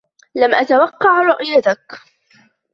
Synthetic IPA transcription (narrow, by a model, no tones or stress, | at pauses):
lamʔat̪awɑqːɑʕɾˤʊʔjat̪ak